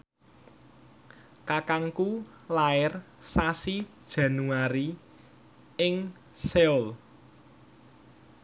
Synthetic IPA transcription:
kakaŋku | laɪr | sasid̥ʒ̥ä̤nuaɾi | ɪŋ | seɔl

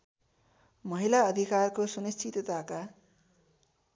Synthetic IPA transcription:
mʌɦilaʌd̪ʱikarkosunist͡ʃʰit̪t̪aka

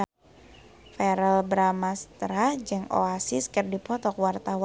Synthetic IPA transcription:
fɛɾɛlbɾamast̪ɾad͡ʒɨŋo̰asɪskərdipɔt̪ɔkwart̪awa

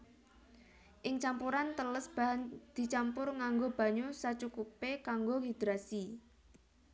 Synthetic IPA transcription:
ʔɪŋt͡ʃampuɾant̪ələsb̥and̪̥i̤t͡ʃampʊrŋaŋɡob̥a̤ɲosat͡ʃukupekaŋɡoɦid̪̥ɾasi

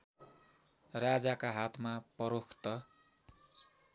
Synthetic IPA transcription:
rad͡zakaɦat̪ʰmapʌɾokʰt̪ʌ

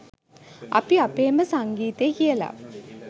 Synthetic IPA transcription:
apiapeːməsaŋɡiːt̪eːkijəla̰

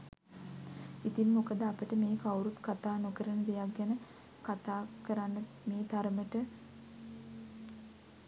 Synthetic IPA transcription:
it̪imːokəd̪əapəʈəmeːkawɾut̪kat̪aːnokəɾənəd̪ejaɡɡːænə | kat̪aːkəɾanːə | meːt̪aɾəməʈə

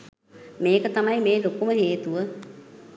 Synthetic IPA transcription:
meːkət̪amajmeːlokuməɦeːt̪uʋə

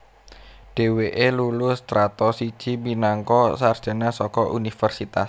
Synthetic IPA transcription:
ɖ̥e̤weʔelulʊst̪ɾat̪ɔsid̥ʒ̥i̤minaŋkɔsard̥ʒ̥a̤nasɔkɔʔunifərsit̪as

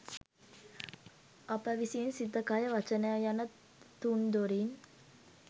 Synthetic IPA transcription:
apəʋisiinsit̪əkajəʋat͡ʃənəjajanə | t̪und̪oɾin

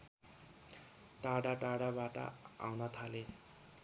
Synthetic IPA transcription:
ʈaɽaʈaɽabaʈʌ̰a̰wnʌt̪ʰale

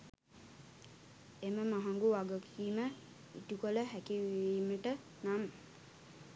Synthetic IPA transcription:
eməmaɦaŋɡuʋaɡəkiːmə | ḭʈukoləɦækiʋiːməʈə | nam

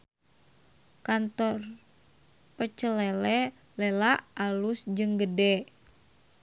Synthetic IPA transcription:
kant̪ɔr | pət͡ʃəlɛlɛ | lɛlaʔalusd͡ʒɨŋɡədɛ

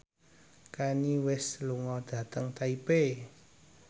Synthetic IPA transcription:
kaniwɪsluŋɔd̪̥ä̤t̪əŋt̪aipe

